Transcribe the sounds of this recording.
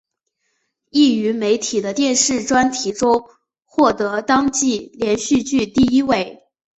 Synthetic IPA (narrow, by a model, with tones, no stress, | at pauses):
i˥˩y˧˥me˧˥ɪt̪ʰi˨˩d̪ə˦t̪jɛ˥˧nʂɻ̩˥˩ʈ͡ʂwa˥nt̪ʰi˧˥ʈ͡ʂʊ˥ŋ | xwɔ˥˩t̪ɤ˧˥t̪ɑ˥ŋt͡ɕi˥˩ljɛ˧˥nɕy˥˧t͡ɕy˥˧t̪i˥˩i˥we˥˩ɪ